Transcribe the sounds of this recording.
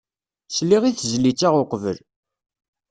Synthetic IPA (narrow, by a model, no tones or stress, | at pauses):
sliʁiθzlit͡sːaʁʊqvə̰l